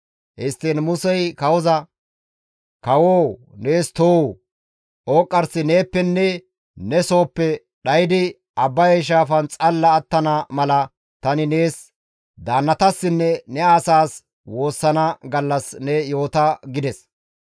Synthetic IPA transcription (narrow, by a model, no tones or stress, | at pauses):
hɛst̪ːeːnmʊsɛjkɐwɔzɐ | kɐwoː | ne̞ːst̪oː | o̞ːkʼːɐɾsɪne̞ːpːɛnːɛ | nɛso̞ːpːɛ | ɗɐjɪd̪ɪ | ɐbːɐjɐjʃ̬aːfɐnt͡sʼɐlːɐːt̪ːɐnɐmɐlɐ | t̪ɐnɪne̞ːs | d̪aːnːɐt̪ɐsːɪnːɛnɛaːsaːs | wo̞ːsːɐnɐɡɐlːɐsnɛjo̞ːt̪ɐɡɪd̪ɛs